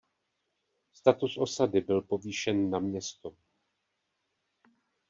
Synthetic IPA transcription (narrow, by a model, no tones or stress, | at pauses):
st̪at̪usʔo̞sadɪbɪlpo̞viːʃɛnːamɲɛst̪o